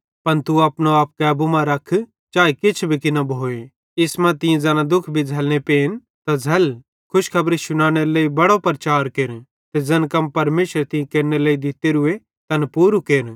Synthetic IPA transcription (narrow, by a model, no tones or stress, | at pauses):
pɐnt̪uɐpnoaːp̚kɛːbumãɾɐkʰ | t͡ʃaːikɪt͡ʃʰbʱikɪnãbʱoːe | ɪsmãt̪ɪ̃ẽd͡zɐːnãd̪ʊkʰbʱid͡zʱɐlnepeːn | t̪ad͡zʱɐl | kʰʊʃkʰɐbɾeʃʊñaːɽ̃eɾleːibɐɽopɾɐt͡ʃaːɾkeːɾ | t̪ed͡zɐnkɐmpɐɾmeːʃəɾt̪ɪ̃ẽkeːɾneleːid̪ɪt̪eɾʊe | t̪ɐnpuːɾukeːɾ